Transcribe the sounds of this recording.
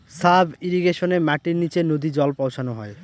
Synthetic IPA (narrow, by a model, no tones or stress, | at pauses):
sabiɾiɡeʃonemɛʈiɾnit͡ɕenod̪id͡ʑɔlpɔwʃʰanoɦɔe